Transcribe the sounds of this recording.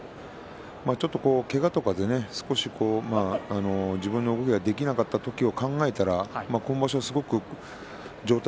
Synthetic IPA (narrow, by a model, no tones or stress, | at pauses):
maːt͡ɕo̞t̪ːo̞ko̞ːke̞ɡat̪o̞kad̪e̞ne̞sɨ̥ko̞ɕikʰo̞ːmaːno̞d͡ʑibɯ̟̃nːo̞ɯ̟ɡo̞kʲe̞ɡad̪e̞kʲinakat̪ːat̪o̞kʲio̞kãŋɡae̞t̪aɾamaːko̞no̞baɕo̞asɨɡo̞kɯ̟ | d͡ʑo̞ːt̪a